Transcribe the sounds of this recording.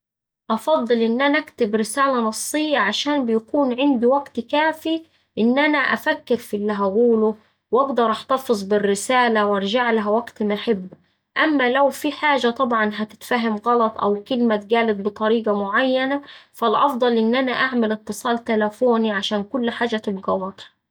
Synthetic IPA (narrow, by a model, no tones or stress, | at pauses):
ʔɑfɑd̪ˤːɨlʔɪnːʔænæʔækt̪ɪbɾɪsæːlænɑsˤːejːæʕaʃæːnbɪjækuːnʕɪnd̪iwæɡt̪kæːfi | ʔɪnːʔænæʔæfækːɪɾfiʔlːiɦæɡuːlʊ | wʔɑɡd̪ɑɾˤʔɑħt̪ɑfɨzˤbɪrːɪsæːlæwʔɑɾˤʒaʕlaɦæwæɡt̪maħɪbː | ʔæmːælæwfiħaːʒæt̪ˤɑbʕɑnɦæt̪ɪ̥t̪fæɦɪmɣɑlɑt̪ˤʔæ̰wkɪlmæt̪̚ɡæːlɪd̪̚bɨt̪ˤɑɾiːɡɑmʊʕajːænæfælʔɑfd̪ˤɑlʔɪnːʔænæʔaʕmɪlɪt̪ːɨsˤɑːlt̪ælæfoːniʕaʃæːnkʊlːħaːd͡ʒæt̪ɪbɡæwɑt̪ˤhɑ